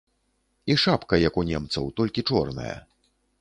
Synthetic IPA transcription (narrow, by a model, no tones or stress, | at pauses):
iʂapkɐjakunʲɛmt̪sɐ̰wt̪ɔlʲkʲit͡ʂɔrnɐ̰jɐ̰